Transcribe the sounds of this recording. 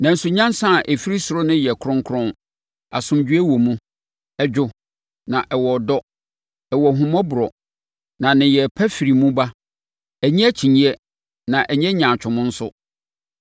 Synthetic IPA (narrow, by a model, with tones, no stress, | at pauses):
nã˨n̩˦sʊ˨ɲã˦n˦sã˦˨ʔɛ˨fi˦ɾi˦sʊ˨ɾʊ˦nɪ̃˦jɛ˨kʰʊ˦ɾʊ̃˦ŋ˦kʰʊ˦ɾʊ̃˦ | a˨sʊ̃˨md͡ʑᶣɥe˦wɔ˨mũ˦ | ɛ˨d͡ʑᶣʊ˦ | nã˨ʔɛ˨wɔ˨dɔ˦ | ɛ˨wɔ˨ɦũ˨mɔ̃˦bʊ˨ɾɔ˨ | nã˨nɪ̃˨jɛ˨pʰæ˦fi˨ɾi˨mũ˦ba˦ | ɛ˨ɲĩ˦æ˦t͡ɕʰi˨ɲĩ˦ɛ˦ | nã˨ʔɛ˨ɲɛ̃˦ɲã˨t͡ɕᶣʊ̃˨mʊ̃˦n̩˦sʊ˦